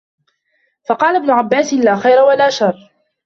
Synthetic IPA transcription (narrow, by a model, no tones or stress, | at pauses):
fɑqɑːlabnʊʕabːaːsɪlaːxajɾawalaːʃɑrˤː